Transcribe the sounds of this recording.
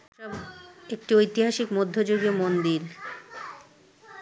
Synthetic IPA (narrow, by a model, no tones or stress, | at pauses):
ʃɔbek̚ʈiojt̪iɦaʃikmod̪ʱːod͡ʑoɡiomond̪iɾ